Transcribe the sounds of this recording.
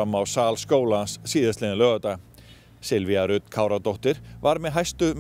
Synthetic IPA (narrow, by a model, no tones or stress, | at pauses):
amːawsaːlskoːwlanssiːðɪast̪ɪnɪlœːɣat̪a | sɪlvɪaɾʏt̪kʰaːwɾat̪owht̪ɪɾ̥vaɾmɛðɦajst̪ʏm